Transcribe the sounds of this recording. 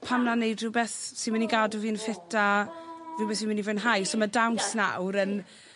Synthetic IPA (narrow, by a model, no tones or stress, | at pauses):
pʰamnanejdvɪwbɛθsɪnmaniɡaːdʊviːnfɪtʰavɪwbɛθsinmɪnivənɦajsɔmadawnsna̰wɾən